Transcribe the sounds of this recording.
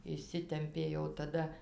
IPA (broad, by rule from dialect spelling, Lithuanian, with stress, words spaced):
ɪʃʲˈsʲɪtʲɛmʲpʲeː jɛʊ tɐˈdɐ